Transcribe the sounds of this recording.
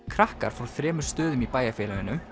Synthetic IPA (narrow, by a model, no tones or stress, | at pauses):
kʰɾahka̰ɾ̥fawθɾɛːmʏɾ̥st̪œːðʏmipaːjafɛːlaʏnːʏm